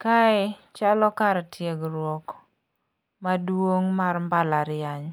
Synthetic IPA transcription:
kaɛt͡ʃalɔkaɾtʰjeɡɾwɔk | madwoŋmarmbalaɾɪjaɲ

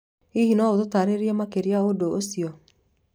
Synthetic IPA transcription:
iɦinɔototaːɾeɾiɛmakeɾiaodoːsiɔ

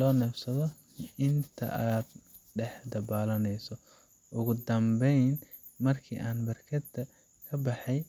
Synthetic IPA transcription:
lɔːnɐfsɐðɔ | ɪnt̪ʰɐ̰ʔaːd̪̚ | ɖɛħd̪ɐβaːlɐnɛjsɔ | ʔʊɣʊd̪ɐmbɛjn | mɐrkʰḭːʔaːnbɐrkʰɐd̪ɐ | kʰɐbɑħɑj

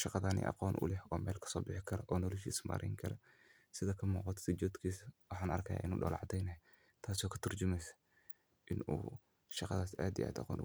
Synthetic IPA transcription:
ʃɑqɑðaːnḭʔɑ̰qɔːnʔʊ̰lɛhɔːmɛːlkʰɐ̥sɔːbɪħɪkʰɐɾɐʔɔːnɔlɐʃḭːsma̰ːɾʔɛ̰jŋkʰɐɾɐ | sɪðɐkʰɐmuːqɑt̪ʰsɪd͡ʒɔːd̪kʰiːswɑħɑːnɐ̰rkʰɐja̰ːʔɪnṵːɗɔ̰ːlʕɑ̰d̪ɛjnɐɦɛ | t̪ʰaːs̬ɔːkʰɐ̥t̪ʰʊrd͡ʒʊmɛjsɐ̥ | ʔɪnṵː | ʃɑqɑðaːsaːd̪ijʔa̰ːd̪ɑ̰qɔ̰ːnʔ

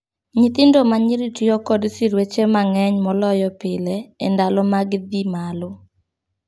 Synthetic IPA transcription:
ɲit̪ɪndomaɲiɾitijɔkɔdsiɾwet͡ʃemaŋɛɲmɔlɔjɔpɪlɛendalɔmaɡd̪imalɔ

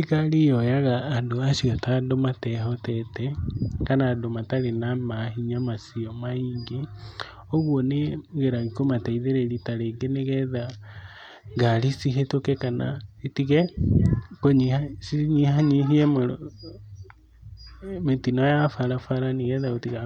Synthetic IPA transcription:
ikalijojaɣaːndoasiotadomatɛɦɔtɛtɛkanadomatalenamaɦiɲamasiomaiŋɡe | oɣwoneɣeɾaɣikomateiðeɾeɾitaleɡeneɣɛða | ŋɡalisiɦetokekana̰etiɣe | koɲihasiɲihaɲiɦiɛmo | metinojafaɾafaɾaniɣɛðaɣotiɣa

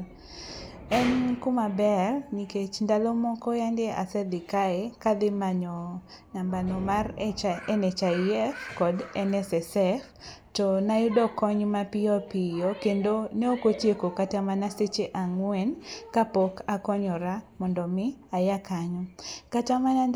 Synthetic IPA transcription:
ɛnkʊmabɛrniket͡ʃndalɔmɔkɔjandeʔa̰sɛdɪkaekalɪmaɲɔ | nambanɔmarɛnɛt͡ʃaiɛfkɔdɛnɛsɛsɛf | tɔnajʊdɔkɔɲmapɪjɔpijokendoneokotjekokatamanaset͡ʃeʔaŋwɛnkapokakɔɲɔɾamɔndɔmɪajakaɲɔkatamana

